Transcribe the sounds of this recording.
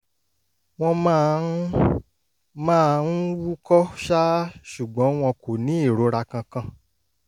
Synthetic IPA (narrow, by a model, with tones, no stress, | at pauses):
w̃ɔ̃˧mã˦˧ | mãː˦˨˧n̩˦wu˦kɔ˦ʃa˦ʃu˨ɡ͡bɔ̃˨˦w̃ɔ̃˧ko˨nĩ˦e˦˨ɾo˨˦ɾa˧kã˧kã˧˨